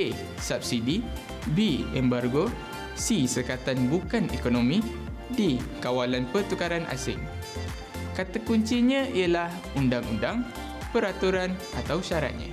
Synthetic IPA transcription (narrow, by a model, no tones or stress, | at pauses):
e | sap̚sidi | biɛmbarɡo | sisərkat̪anbukanḛkonomĩ | dikawalanpərt̪ukaɾanʔa̰sɪ̰ŋ | kat̪akuɲt͡ʃiɲə̃iəlah | undaŋṵndaŋ | pəɾat̪uɾan | at̪awʃaɾa̰t̪̚ɲã̰